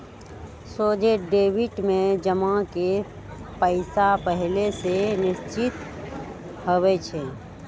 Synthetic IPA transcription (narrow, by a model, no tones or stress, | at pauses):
soːd͡ʒeɖeːwɪʈmẽd͡ʒəmãke | pəɪsapəɦlesenɪst͡ʃɪt̪ | howɛt͡ʃʰe